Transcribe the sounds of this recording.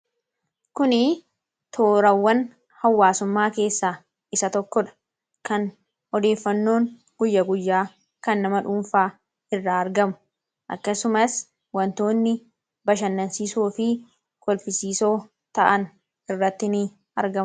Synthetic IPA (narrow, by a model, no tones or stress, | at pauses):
kʊnɪ | t̪ʰoːɾɐwːɐn | hɐwːaːsʊmːaːke̞ːsːaː | ɪsɐt̪ɔkːɔᶑɐ̥ | kɐn | ɔd̪e̞ːfːɐnːo̞ːŋ | ɡ̥ʊjːɐɡʊjːaː | kɐnːɐmɐᶑuːɱfaː | ɪrːaːɾɡɐmʊ̥ | ʔɐ̰kːɐsʊmɐs | wɐnt̪o̞ːnːɪ | bɐʃɐnːɐnsiːsuːfɪ | kɔlfɪsiːso̞ː | t̪ɐʔɐn | ʔɪrːɐt̪ːɪnɪ | ɐɾɡɐ